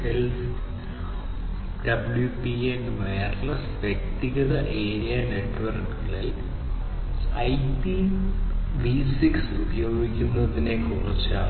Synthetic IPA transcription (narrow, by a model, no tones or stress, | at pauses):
els | ɖɐbuljupienʋejɐrnɐsʋjek̚t̪iɣɐðɐʔeːɾijɐne̞ʈːʋɐrkːilil | ɐjpi | ʋisiksubɐjo̞ːɡikʲːunːɐðine̞koːɳɐt͡ɕːa̰ː